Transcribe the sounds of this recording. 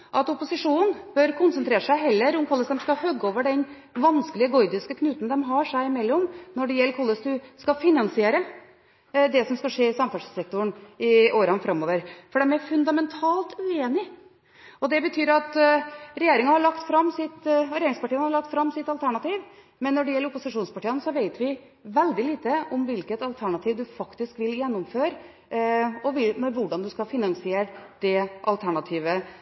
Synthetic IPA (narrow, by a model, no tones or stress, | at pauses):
ʔɑt̪ɔpʊsɪʂuːnnb̥œɾkʰʊnsənt̪ɾeːɾəʂæɪɦɛlːəɾʊmkʰɔlːəsd̪ɛmskɑhœɡːəoːʋəɖɛn | ʋɑnskəlɪəɡɔʏd̪ɪskəkʰnʉːt̪n̩d̪ɛmɦɑʂæɪɪmɛlːɔmnɔɖɛjɛlːkʰɔlːəst̪ʉskɑfɪnɑnsɪeːɾə | d̪ɛsɔmskɑʂeːɪsɑmfɑʂsɛk̚t̪ʊɳɪʔoːɾɑnfɾɑmːoːʋəɾfɔɖɛmæɾfʉnd̪ɑmɛnt̪ʰɑːlt̪ʉeːnɪ | ɔd̪ɛbət̪ʰyːɾɑt̪ɾɛjeːɾɪŋɑhɑɭɑkt̪fɾɑmːsɪt̪ɾɛeːɾɪŋspɑʈiːənhɑɭɑk̚t̪fɾɑmːsɪt̪ɑlt̪ʰæɳɑt̪iːʋ | mɛnːɔɖɛjɛlːəɾʊpʊsɪʂuːnspɑʈiːənsɔʋeɪt̪ʋɪ | ʋɛld̪ɪliːt̪əʔɔmʋɪlkət̪ɑlt̪ʰæɳɑt̪ʰiːʋd̪ʉfɑkt̪ɪskʋɪljɛnːʊmføːɾ | ɔʋɪmɛʋʊɖɑnd̪ʉskɑfɪnɑŋsɪeːɾd̪̥ɛʔɑlt̪ʰæɳɑt̪ʰiːʋə